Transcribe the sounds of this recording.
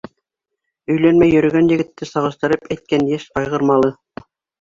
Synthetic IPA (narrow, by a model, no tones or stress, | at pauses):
ɵ̆jlænmæjːɵ̆ɾɘ̆ɡænjɘ̆ɡɘ̆t̪ːɘsɑʁɤ̆ʃt̪ɤ̆ɾɤpæjt̪̚kænjæʃɑjʁɤ̆ɾmɑlˠɤ